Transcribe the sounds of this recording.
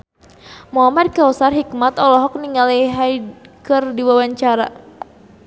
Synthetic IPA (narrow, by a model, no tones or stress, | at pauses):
muɦamad̚kausarɦikmat̪ɔlɔɦɔk̚niŋaliɦajkɨrdiwawaɲt͡ʃaɾa